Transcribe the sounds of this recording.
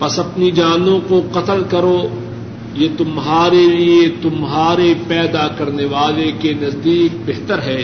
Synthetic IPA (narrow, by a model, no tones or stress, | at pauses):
pɐsɐpnid͡ʒaːnõkoqɐt̪əlkɐɾo | jet̪ʊmɦaːɾeliet̪ʊmɦaːɾepɛːd̪akɐɾneʋaːlekenɐzd̪iːk̚beɦt̪əɾɦɛː